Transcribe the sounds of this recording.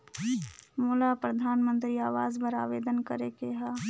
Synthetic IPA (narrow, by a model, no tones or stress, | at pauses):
moːlapɾəd̪ʱaːnmə̃nt̪ɾiaːʋaːzbəɾaːʋeːd̪ənkəɾekeɦaː